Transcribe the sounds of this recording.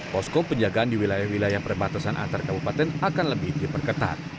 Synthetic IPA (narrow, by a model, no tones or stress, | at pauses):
pɔskɔpəɲd͡ʒaɡaːndiwilajahwilajahpərbat̪asanʔa̰nt̪arkabupat̪ɛnakanləbɪhdipərkət̪a̰t̪̚